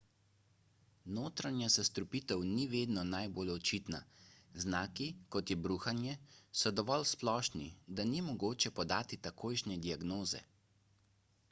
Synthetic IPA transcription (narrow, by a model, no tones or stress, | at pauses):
noːt̪ɾanjasast̪ɾupiːt̪ɛwniʋeːd̪nɔnajboːlɔt͡ʃiːt̪na̰znaːkikɔt̪jɛbɾuːxanjɛsɔd̪ɔʋɔlsplɔːʃnid̪animɔɡoːt͡ʃɛpɔd̪aːt̪it̪akʰoːjʃnʲɛd̪iaɡnoːzɛ̰